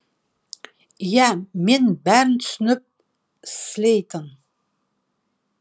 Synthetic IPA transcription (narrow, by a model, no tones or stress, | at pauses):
jæmenbæɾɪnt̪ʰʏ̥sʏnɪp̚ | slʲejt̪ʰən